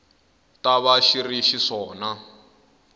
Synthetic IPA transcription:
taβaʃiriʃiʂɔːna

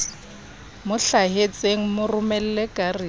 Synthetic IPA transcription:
mʊɬaɦet͡sʼeŋ̩mʊrʊmɛl̩lɛkʼari

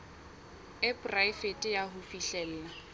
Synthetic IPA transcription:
ɪpʼraifetʼɪjaɦʊfiɬɛl̩ːna

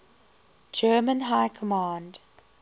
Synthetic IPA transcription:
d͡ʒɜːmə̃nɦaɪkʰəmãːnd

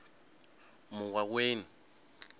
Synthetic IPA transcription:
mʊkwak̬weːni

